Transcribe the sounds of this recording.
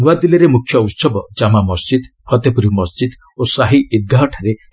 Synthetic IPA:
nuwad̪iliɾemukʰːjɔut̪sɔbɔd͡ʒamamɔsd͡ʒid̪pʰɔt̪epuɾimɔsd͡ʒid̪ | osaɦiid̪̚ɡaɦɔʈʰaɾe

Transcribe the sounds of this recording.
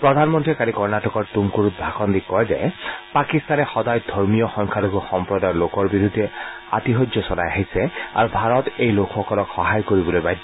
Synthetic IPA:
pɹɔdʱanmɔntɹikaɹikɔɹnatɔkɔɹtumkuɹut̚bʱakɔndikːɔjzɛ̰pakist̪anɛxɔdajd̪ʱɔɹmijɔxɔŋkʰaloɡɔxɔmpɹɔdajɔlokɔɹbiɹud̪ʱːɛ | a̰tiɦɔdzɔsɔla̰jaɦisɛa̰ɹubʱaɹɔtejlokʰxɔkɔlɔkxɔɦajkoɹibɔlojbajd

